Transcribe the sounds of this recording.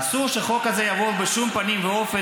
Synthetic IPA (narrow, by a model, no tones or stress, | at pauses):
suʁʃeχo̞khazejavobeʃumpanimveofe